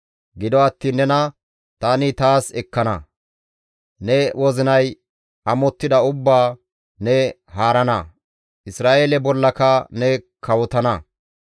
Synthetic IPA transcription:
ɡɪd̪ɔɐt̪ːiːnːɛnɐ | t̪aːnɪt̪aːsɛkːɐnɐ̰ | nɛwʔɔzɪnɐj | ɐmɔt̪ːɪd̪ɐʊbːaː | nɛ | haːɾɐnɐ | ʔɪsɾaːʔeːlɛbɔlːɐkɐnɛkɐwɔt̪ɐnɐ

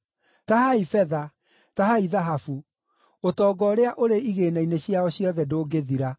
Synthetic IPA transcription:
tahaifɛða | taɦaiðaɦafu | otɔːɡɔɾeaʔoɾeiɣeːnaineɕiaɔɕjɔðɛdoːɡeðiɾa

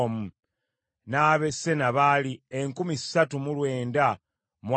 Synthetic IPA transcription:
mu | naːβe̞sːe̞naβalieŋkumisːatumulwe̞ːnda | mw

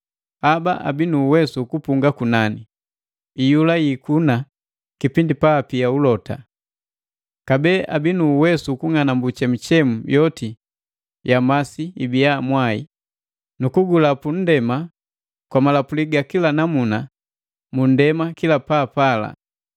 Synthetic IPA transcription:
abaʔa̰binuːwɛsukupuŋɡakunani | ijulajikuna | kipindipaːpiaulɔta̰ | kabɛːʔabinuːwɛsukuŋanambut͡ʃɛm̩t͡ʃɛmujɔti | jamasiibijamwaḭ | nukuɡulapun̩dɛma | kwamalapuliɡakilanamuna | mun̩dɛmakilapaːpala̰

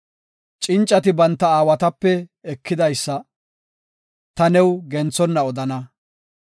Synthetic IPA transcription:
t͡ʃʼɪnt͡ʃʼːɐt̪ɪbɐnt̪ːɐaːwɐt̪ɐpːɛɛkːɪd̪ɐjsːɐ | t̪ɐnɛwɡɛnt͡sɔnːɐɔd̪ɐnɐ

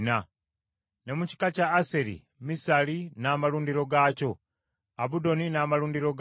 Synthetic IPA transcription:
na | ne̞muci̥kacaːseɾḭ | misalinaːmaluːndiɾo̞ɡaːco̞ | aβudo̞ninaːmaluːndiɾo̞ɡ

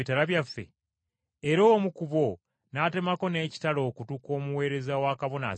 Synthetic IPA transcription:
itaɾaβjafːe̞̰ | eɾo̞mukuβo̞ | nate̞mako̞ne̞ːci̥talo̞ːkutuko̞ːmuwe̞ːɾe̞zawakaβo̞na̰

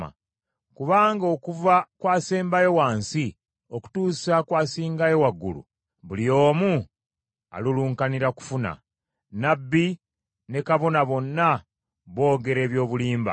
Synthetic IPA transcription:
a̰ | kuβaːŋɡo̞ːkuvakwaːseːmbajo̞waːnsi | o̞ku̥tuːsakwaːsiːŋɡajo̞waɡːṵlṵ | βulio̞ːmu | a̰luluːŋkaniɾaku̥funa̰ | nabːi | ne̞kaβo̞naβo̞nːa | βo̞ːɡe̞ɾe̞ːβjo̞ːβuliːmba̰

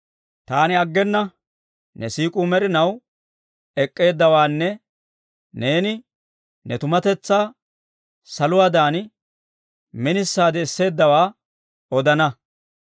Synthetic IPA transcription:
t̪aːnɪɐɡːɛnːɐ | nɛsiːkʼuːmɛɾɪnɐw | ɛkʼːe̞ːd̪ːɐwaːnːɛ | ne̞ːnɪ | nɛt̪ʊmɐt̪ɛt͡sːaː | sɐlʊwaːd̪aːnɪ | mɪnɪsːaːd̪ɛːsːe̞ːd̪ːɐwaː | ɔd̪ɐnɐ

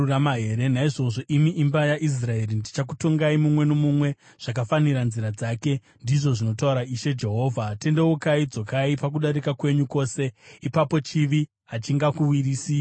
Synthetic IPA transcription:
uramaɦeːɾe̞naiʐo̞ʐo̞ʔimiʔimbajaʔis̬rae̞rindit͡ʃak̬uto̞ŋɡaimumwe̞no̞mumwe̞ | ʐ̥akafaniɾanziɾad͡zaːke̞ | ndiʐo̞ʐino̞t̬auɾaiʃe̞d͡ʒe̞ɦo̞ːvʱate̞ndewokaid͡zo̞kaipak̬uɗaɾikakwe̞ɲuko̞ːse̞ipapo̞t͡ʃiʋi | ɦat͡ʃiŋɡakuwiriːsi

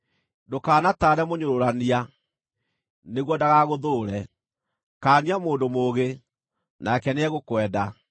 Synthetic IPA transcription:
dokaːnataːɾɛmoɲoɾoɾania | neɣwɔdaɣaɣoðoːɾɛ | kaːniamoːndomoɣe | nakɛneɛɣokwɛːda

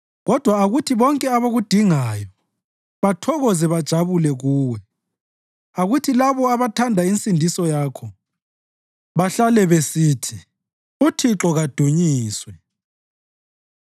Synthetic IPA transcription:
ɣɔd̥ʱwaːɣutʰiβɔŋkʼɛaβoɣud̥ʱiŋaːjɔ | βatʰɔɣɔzɛβad̥ʒ̥ʱaβulɛɣuːwɛ | aɣutʰilaβɔaβatʰandʱaint͡sʼindʱisɔjaːkʰɔ | βaɬalɛβesiːtʰi | utʰiǁɔɣad̥ʱuɲiːswɛ

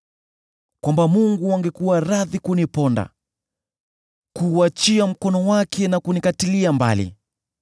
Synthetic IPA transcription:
kwambamuŋɡuaŋɡɛkuwaɾaðikunipɔnda̰ | kuːat͡ʃiam̩kɔnɔwakʰɛnakunikatiliamba̰lḭ

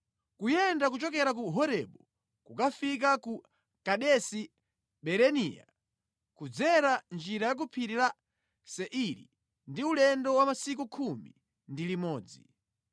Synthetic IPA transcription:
kujɛndakut͡ʃɔkɛɾak̬uɦɔɾɛɓɔ | kukafik̬aku | kaɗɛsi | ɓɛɾɛnḭja̰ | kud͡zɛɾand͡ʒiɾajak̬upʰiɾila | sɛʔiɾḭ | ndiulɛndɔwamasik̬ukʰumḭ | ndilimɔːd͡zi

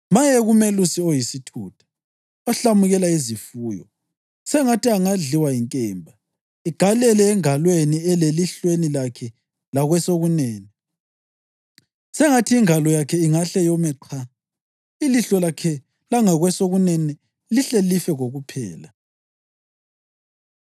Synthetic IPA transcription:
majɛɣumelusiojisitʰṵːtʰḁ | ɔɬamuɣɛlaizifuːjɔ̰ | sɛŋatiaŋaɮiwaiŋkʼɛːmbʱa | iɡ̥ʱalɛlɛːŋalweniɛleliɬwenilakʰɛ | laɣwɛsoɣunɛːnɛ | sɛŋatʰiiŋalɔjakʰɛiŋaɬɛjɔmɛǃʰa | iliɬɔlakʰɛ | laŋaɣwɛsoɣunɛnɛ | liɬelifɛɣoɣupʰɛ̰ːla

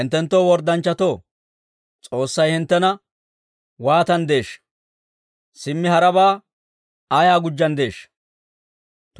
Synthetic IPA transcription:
ɪnt̪ːɛnt̪ːoːwɔɾd̪ɐnt͡ʃːɐt̪oː | t͡sʼo̞ːsːɐjhɪnt̪ːɛnɐ | waːt̪ɐnd̪e̞ːʃ | sɪmːɪhɐɾɐbaː | ajaːɡʊd͡ʒːɐnd̪e̞ːʃ

